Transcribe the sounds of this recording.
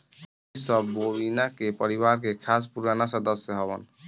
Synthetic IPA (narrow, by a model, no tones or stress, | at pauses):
isɔbːobinakepɔɾibaɾkekʰaspuɾanasɔd̪ɔsjɔɦɔbɔ̰n